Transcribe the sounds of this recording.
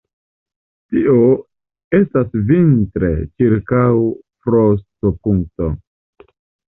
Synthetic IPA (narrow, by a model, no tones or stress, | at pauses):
tiʔo | e̞stasvintɾe̞̰t͡ʃiɾkawfɾostopuŋk̚to